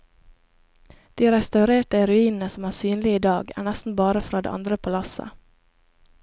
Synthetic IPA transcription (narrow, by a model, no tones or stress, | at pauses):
d̪̥iːɾɛst̪ɑʉɾeːʈəɾʉiːnn̩əsɔmæːsyːnlɪiːd̪ɑːɡæ̰ːɳæst̪n̩bɑːɾəfɾɑːd̪ḛʔɑ̰nd̪ɾəpʰɑlɑsə̰